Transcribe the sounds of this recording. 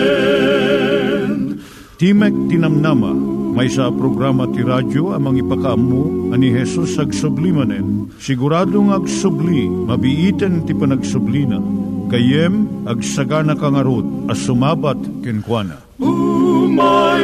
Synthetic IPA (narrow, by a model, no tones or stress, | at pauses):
t̪imɛk̚t̪inɐmnamɐ̰mɐjsapɾoɡɾamɐt̪iɾad͡ʒoɐmɐŋipɐkaʔɐmːuɐniɦɛsusɐɡsʊblimɐnɛn | sɪɡʊɾad̪oŋɐɡsʊblimɐbiʔiːt̪ɛnt̪ipɐnɐɡsʊblinɐ̰kɐjɛmɐɡsɐɡanɐkɐŋɐɾod̪̚ɐsʊmaːbɐt̪kɛnkwanɐ̰